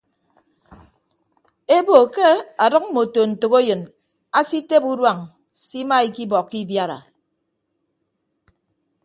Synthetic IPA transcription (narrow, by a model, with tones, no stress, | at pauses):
e˦bo˨ke˦a˨dɔ˦k̩̚˦mo˨to˨n̩˨to˨ko˦jɨ˨n | a˦si˦te˦pu˦dwa˨ŋ | si˦ma˦i˨ki˦bɔ˨kːi˦bja˦ɾa̰˨